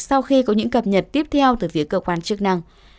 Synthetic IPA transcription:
sa˧wxi˧kɔ˨˦ɲɨ̰˧˥ŋkə˨˩p̚ɲə˨˩t̚t̪i˦˥əp̚t̪ʰɛ˧wt̪ɨ˧˩fi˨˦əkəː˧kwaː˧˩nt͡ɕɨ˦˥ək̚na˧ŋ

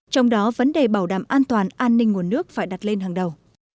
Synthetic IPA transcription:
t͡ɕɔ˧wŋ͡mɗɔ˨˦və˨˦nɗe˨˩ɓaː˧˩wɗaː˧˩mʔaː˧nt̪waː˨˩nʔaː˧nːï˧ŋ̟ŋu˨˩ənːɨ˦˥ək̚faː˧˩jɗa˨˩t̚le˧nɦaː˨˩ŋɗə˨˩w

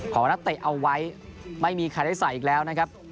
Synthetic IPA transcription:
kʰɔː˩˦na˦˥k̚t̪e˨˩ʔa˧wːa˦˥jma˥˩jmiː˧kʰaː˧˩da˥˩saː˨˩˦ʔiː˨˩lɛː˦˥wna˦˥kʰa˦˥p̚

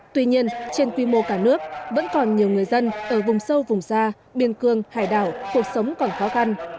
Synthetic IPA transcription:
t̪wi˧ɲi˧ənt͡ɕe˧nkwi˧mo˧kaː˧˩nɨ˦˥ək̚və̰˧˥nkɔ˨˩nɲi˨˩əwŋɨ˨˩əjzə˧nʔəː˧˩vʊ˨˩ŋ͡msə˧wvʊ˨˩ŋ͡msaː˧ | ɓi˧ənkɨ˧əŋhaː˧˩jɗaː˧˩wku˨˩ək̚sə˨˦wŋ͡mkɔ˨˩nxɔ˨˦xa˧n

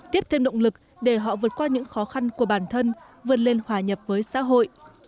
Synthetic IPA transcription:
t̪i˦˥əp̚t̪ʰe˧mɗə̰˧˨wŋ͡mlɨ˨˩k̚ | ɗe˧˩ɦɔ̰˧˨vɨ˨˩ət̚kwaː˧ɲɨ̰˧˥ŋxɔ˨˦xa˧nku˧˩əɓaː˧˩nt̪ʰə˧n | vɨ˨˩ət̚le˧nhwaː˧˩ɲə˨˩p̚vəː˨˦jsa̰ː˧˥ɦo̰˧˨jʔ

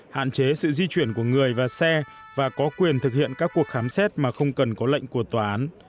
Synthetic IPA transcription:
ha̰ː˧˨nt͡ɕe˨˦sɨ̰˧˨zi˧t͡ɕwi˧˩ənku˧˩əŋɨ˨˩əjvaː˨˩sɛ˧ | vaː˨˩kɔ˨˦kwi˨˩ənt̪ʰɨ˨˩k̚hḭ˧˨ənkaː˦˥kːu˨˩ək̚xaː˨˦msɛ˦˥t̚maː˨˩xə˧wŋ͡mkə˨˩nkɔ˨˦lə̰˧˨jŋ̟ku˧˩ət̪waː˨˩ʔaː˨˦n

